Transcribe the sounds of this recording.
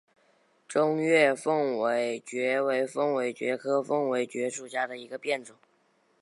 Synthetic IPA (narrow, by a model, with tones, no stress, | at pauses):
ʈ͡ʂʊ˥ŋɥɛ˥˧fɤ˥˩ŋwe˧˥ɪt͡ɕɥɛ˧˥we˧˥ɪfɤ˥ŋwe˧˥ɪt͡ɕɥɛ̰˧˥kʰɤ˥fɤ˥ŋwe˧˥ɪt͡ɕɥɛ˧˥ʂu˨˩t͡ɕja˥d̪ə˨i˧˥ɡə˧pjɛ˥˩nʈ͡ʂʊ˨˩˦